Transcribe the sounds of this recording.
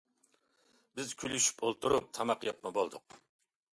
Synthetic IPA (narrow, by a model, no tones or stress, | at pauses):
bɪzkʲʰylyʃy̥polˠt̪ʰuɾup̚t̪ʰɑmɑqjɑpmɨbolˠd̪ʊq̚